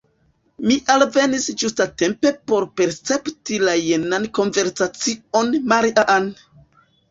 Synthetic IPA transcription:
miʔalve̞nisd͡ʒustate̞mpe̞po̞ɾpe̞ɾt͡se̞ptilajenanko̞nve̞ɾsat͡sio̞nmaɾiʔaʔan

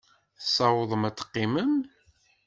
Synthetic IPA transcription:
θsˤːɑwəðˤəmæt͡sːə̥qːiməm

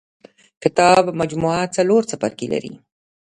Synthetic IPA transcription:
kɪt̪ɑbmad͡ʒmuat͡saloɾt͡sapa̰ɾkela̰ɾḭ

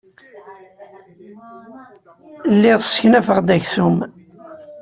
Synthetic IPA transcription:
lːɪʁsçnæfəʁd̪æçsum

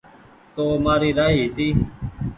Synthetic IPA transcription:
t̪oːmaːɾiːɾaːɦiːɦːt̪iː

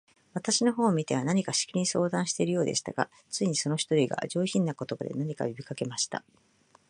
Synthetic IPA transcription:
β̞at̪aɕino̞ɦo̞ːmʲit̪e̞βanaɲ̟ikaɕi̥kiɾʲiɲĩso̞ːd̪ãɰ̃ɕi̥t̪e̞iɾɯjo̞ːd̪e̞̰ɕi̥t̪a̰ɡ̥a̰ | t͡sɨiɲ̟iso̞no̞çʲi̥t̪o̞ɾʲiɡa̰d͡ʑo̞ːçĩnːako̞t̪o̞bad̪e̞̰naɲ̟ika̰obʲikake̞maɕi̥t̪a̰

